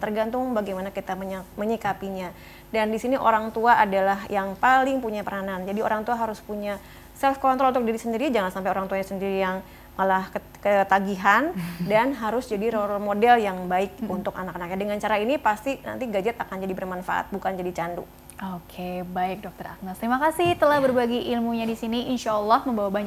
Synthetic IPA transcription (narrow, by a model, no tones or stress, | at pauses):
t̪ərɡant̪ʊŋbaɡijmanakit̪aməɲaməɲikapiɲa | dandisiniʔo̰ɾaŋt̪uaʔadalaɦjaŋpalɪŋpuɲapəɾanand͡ʒadio̰ɾaŋt̪uaɦaɾʊspuɲa | sɛlfkɔnt̪ɾɔlut̪uk̚diɾisəndiɾid͡ʒaŋansampajoɾaŋt̪uaɲasəndiɾijaŋ | malah | kət̪aɡiɦandanɦaɾʊsd͡ʒadiɾolmodɛljaŋbaɪk̚unt̪ʊka̰nakanak̚ɲadəŋant͡ʃaɾainipast̪ina̰nt̪iɡad͡ʒat̪akand͡ʒadibərmanfa̰ʔa̰t̪̚bukand͡ʒadit͡ʃandṵ | okʰebaɪk̚dɔk̚t̪əɾa̰k̚nast̪ɾimakasɪht̪əlahbərbaɡiʔilmuɲadisiniinʃalːɑhməmbawabaɲ